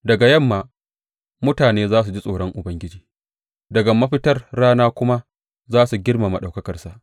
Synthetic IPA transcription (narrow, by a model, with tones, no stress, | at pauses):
dɐ˨ɡa˨jɐ˦˨mːaː˨ | mʊ˦taː˨neː˦zaː˦s̬u˨d͡ʒi˦sʼoː˨ɽɔ˦ŋʔʊ˨bɐ˦ŋɡʲɪ˦d͡ʒiː˦ | dɐ˨ɡa˨mɐ˦ɸɪ˦tɐ˦rːaː˦naː˦kʷʊ˦ma˦ | zaː˦su˨ɡʲɪ˦rma˨mɐ˨ɗa˨wkɐ˦kɐ˨rsa˨ʔ